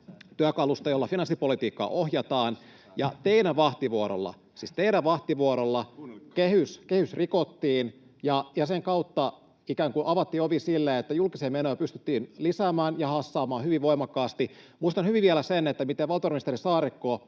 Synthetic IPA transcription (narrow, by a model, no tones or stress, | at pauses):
t̪yækɑlust̪ɑjolːɑfinɑnsːipolit̪iːkːɑ̰ːʔohjɑt̪ɑːn | jɑt̪einæʋʋɑht̪iʋuoɾo̰lːɑ̰ | siːst̪einæʋʋɑht̪iʋuoɾolːɑkehyskehysrikot̪ːiːn | jɑjɑseŋkɑut̪ːɑ | ikæːŋkuʔɑʋɑt̪ːiːoʋisilːeet̪ːæjulkiseːmenoːpyst̪y̥t̪ːiːnlisæːmæːnjɑhɑsːɑːmɑːhyʋiʋʋoimɑkːɑːst̪i | muist̪ɑnhyʋiʋiælæsenet̪ːæmit̪eʋʋɑlt̪ˑorminist̪eɾisɑːɾikːoː